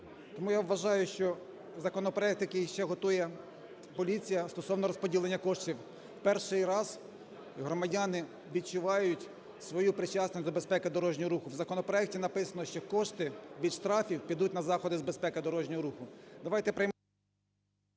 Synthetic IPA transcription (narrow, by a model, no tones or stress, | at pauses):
t̪ɔmujaʋʋɐʒɑjʊʃt͡ʃɔ | zɐkɔnɔpɾɔɛk̚t̪jɐkijʃt͡ʃɛɦɔt̪ujɛ | pɔlʲit͡sʲijɐst̪ɔsɔwnɔɾɔspɔdʲilˠenʲːɐkɔʃtʲiw | wpɛrʃɪjɾɑz | ɦɾɔmɐdʲɑnɪ | ʋʲid̪̚t͡ʃʊʋɑjʊtʲ | sʋɔjupɾɪt͡ʃasnɔsʲd̪ɔbespɛkɪd̪ɔɾɔʒnʲɔɦɔɾuxʊwzɐkɔnɔpɾɔɛk̚tʲinɐpɪsɐnɔʃt͡ʃɔkɔʃt̪ɪʋʲid̪ʃt̪ɾɑfʲiwpʲid̪utʲnɐzɑxɔd̪ɪzbespɛkɪd̪ɔɾɔʒnʲɔɦɔɾuxʊd̪ɐʋɑjt̪ɛpɾɪjm